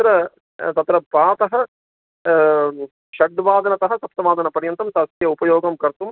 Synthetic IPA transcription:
ɐt̪ɾɐ | t̪ɐt̪ɾɐpaːt̪ɐɦɐ̆ | ʃɐɖʋaːd̪ɐnɐt̪ɐɦɐsɐpt̪ɐʋaːd̪ɐnɐpɐɾjɐnt̪ɐmt̪ɐsjɐupɐjoːɡɐmkɐɾt̪um

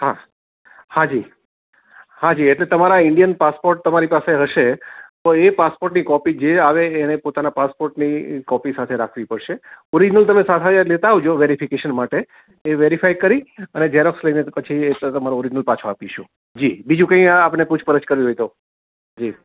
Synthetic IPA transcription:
ɦa | hãd͡ʒi | hãd͡ʒieʈlet̪əmaɾaɪɳɖijənpaspoɾʈ̚t̪əmaɾipaseɦəʃet̪oepaspoɾʈnikɔpid͡ʒeaʋeːnepot̪anapaspoɾʈnikɔpisat̪ʰeɾakʰʋipəɽʃeɔɾid͡ʒnəlt̪əmesat̪ʰaalet̪aɦoʋd͡ʒoʋeɾifikeʃənmaʈe | eʋeɾifajkəɾiəned͡ʒeɾoksləjnepət͡ʃʰiet̪əmaɾoɔɾid͡ʒnəlpat͡ʃʰoapiʃũ | d͡ʒibid͡ʒũkə̃ĩapneput͡ʃʰpəɾət͡ʃkəɾʋiɦojt̪o | d͡ʒi

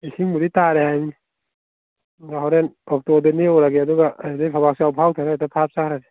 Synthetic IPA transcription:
isiŋmuɾitaɾehajni | ɡaɦawɾenɔk̚tɔdaneɔɾaɡeaduɡaadajpʰabaksiawpʰawtʰaɾatapʰap̚sakʰɾadi

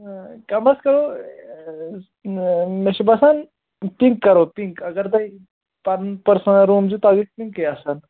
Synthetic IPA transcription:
kəmbəskəɾo | mɛɕibasan | piŋkːəɾopiŋkəɡəɾt̪ai | paɾpəɾsanaɾũmd͡ʑit̪aɡispiŋkeasan

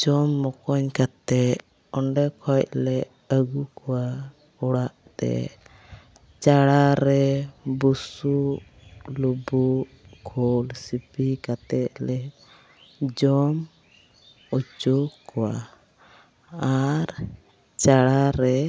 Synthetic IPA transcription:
d͡ʒɔmːɔkɔɲkat̪ɛ | ɔɳɖɛkʰɔc̚lɛ | əɡukɔwa | ɔɽaʔt̪ɛ̰ | t͡ʃaɽaɾɛbusu | lubu | kʰɔlsipikat̪ɛt̪̚lɛ | d͡ʒɔm | ut͡ʃukɔwa | aɾ | t͡ʃaɽaɾɛ

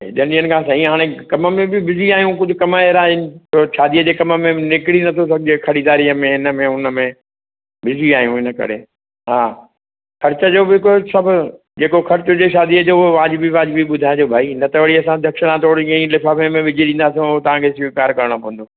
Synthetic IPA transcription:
ḛɗɐnɗijənɪ̆kʰãːsɐɦĩɦaːɽ̃ekɐmə̆mẽbɪbɪziaːɦijũkʊd͡ʑʱʊ̆kɐmaːeɾaːɪnɪ̆oʃaːd̪ijəd͡ʑeːkɐməmẽnɪkɪɽinɐt̪ʰos̬ɐɡʱɪd͡ʑekʰɐɽid̪aːɾiəmẽɦɪnə̆mẽʊnəmẽ | bɪziaːɦijũɦɪnəkɐ̰ɾḛː | ɦaː | xɐɾɪt͡ɕəd͡ʑoːbɪkosɐbʱʊ | d͡ʑeːkoxɐɾt͡ɕʊd͡ʑeːʃaːd̪iəd͡ʑoːʊɦoʋaːd͡ʑɪbiʋaːd͡ʑbiɓʊd̪ʱaːɦeoːbʱaːinɐt̪ʰəʋəɽiɐsãd̪ʱɐkʃɪɽ̃ãt̪oːɽkɐ̃ĩlɪfaːfemẽʋɪd͡ʑʱeɗĩːnd̪aːs̬ijõot̪ɐʋãkʰeːsʋikaːɾkɐɾəɽ̃opõɦə̃nd̪oː

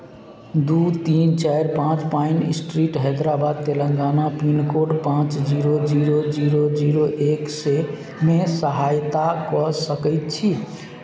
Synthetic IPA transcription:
d̪ut̪int͡ʃajɾpãt͡ʃpainisʈɾiʈɦɛd̪ɾabad̪̚t̪eləŋɡanapinkoɖpãt͡ʃd͡ʒiɾod͡ʒiɾod͡ʒiɾod͡ʒiɾoʔekse | mesəɦajt̪akɔsəkəɪt̪̚t͡ʃʰi

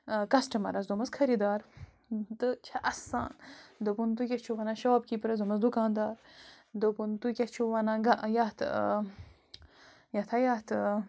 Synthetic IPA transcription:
kɐsʈɐmɐ̰ɾɐzd̪omɐskʰɐɾid̪aːɾ | d̪ət͡ʃʰɐʔɐsa̰ːnd̪obunt̪ukʲɐt͡ʃʰuʋɐnɐʃɐaːbkipɾɐzumɐzd̪ukaːnd̪aːɾ | d̪opunt̪ukʲɐt͡ʃʰuwɐnɐɡaʔjat̪ | jɐt̪ʰɐjat̪

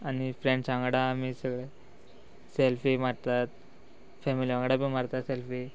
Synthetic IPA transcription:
anifɾẽɳsãŋɡɽamisəɡɭe | selfimaɾt̪at̪ | fɛmiliãŋɡɽapimaɾt̪at̪selfi

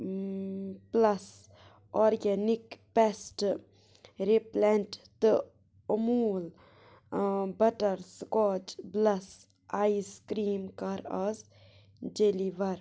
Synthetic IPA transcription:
plɐs | ɔːɾɡɛnikpɛsʈ | ɾiplɛnʈt̪ɨ | muːl | bɐʈɐɾskɔːt͡ʃblɐs | aːjiskɾiːmkɐɾɐz | d͡ʒeliʋɐɾ

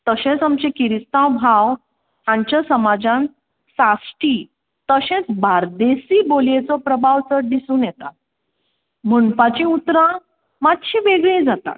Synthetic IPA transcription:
t̪əɕẽt͡samt͡ɕẽkiɾist̪ãwbʱaʋ | ɦãɲt͡ɕasəmad͡zãn | sasʈi | t̪əɕẽt͡sbaɾd̪esiːboljet͡sɔpɾəbʱaʋt͡səɽɖ̪isuːnjɛt̪at̪̚ | m̤əɳfat͡ɕĩut̪ɾã | mat̪ɕĩʋeɡɭẽd͡zat̪a̰t̪̚

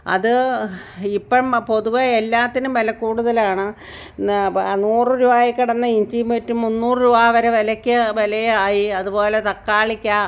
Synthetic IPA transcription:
ɐ̰ðɨ | ipːɐmpo̞ðuʋɐelːaːt̪ːinumʋɐlɐkːuːɽuðɐlaːɳɨ | nuːrɨɾuʋaːjekːiɽɐnːɐiɲd͡ʑimetːumunːuːrɨɾuʋaːʋɐɾeʋɐlɐkʲːɨʋɐlɐjeaːjiɐðubo̞ːle̞t̪ɐkːaːɭikʲːa

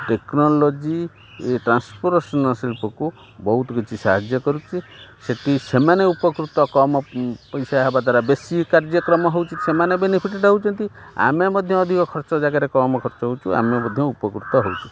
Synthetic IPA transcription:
ʈeknɔlɔd͡ʒi | eʈɾanspʰɔɾsɔnɔsilpɔku | bɔɦut̪ɡit͡ʃʰisaɦad͡ʒjɔkɔɾut͡ʃʰiseʈisemaneupɔkɾut̪ɔkɔmɔpɔjsaɦebad̪ʱaɾabesikaɾd͡ʒɔkɾɔmɔɦowt͡ʃʰisemanebenipʰiʈeɖɦowt͡ʃʰɔnt̪ia̰memɔd̪ʱjɔːd̪ʱikɔkʰɔɾt͡ʃɔd͡ʒaɡaɾekɔmɔkʰɔɾt͡ʃɔɦowt͡ʃʰua̰memɔd̪ʱjɔupɔkɾut̪ɔɦowt͡ʃʰu̥

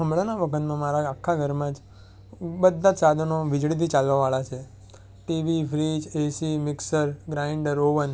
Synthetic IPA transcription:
ɦəmɭanaʋəkʰət̪mãmaɾaakʰːaɡʱəɾmãd͡ʒ | bəd̪ʱːad͡ʒsad̪ʱənoʋɪd͡ʒɭit̪̬ʰit͡ʃalʋaʋaɭat͡ʃʰe | ʈiʋifʰɾid͡ʒesimɪksəɾɡɾaiɳɖəɾoʋən

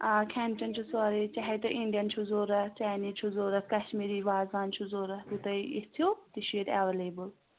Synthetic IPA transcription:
akʰɛnt͡ʃɐnt͡ʃʰusaːɾit͡ʃaɦet̪ɐʔiɳɖijɐnt͡ʃʰuzoːɾɐt͡ʃaːniːt͡ʃʰuzoːɾɐkɐʃmiːɾiʋaːzaːnt͡ʃʰuzoːɾɐt̪ut̪ɐit̪ʰjot̪iʃiːɾaʋeleːbul

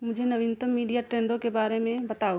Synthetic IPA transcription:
mʊd͡ʒʱenɐʋɪ̃nt̪əmːiːɖijaʈɾeːɳɖõkebaːɾemẽbɐt̪aːo

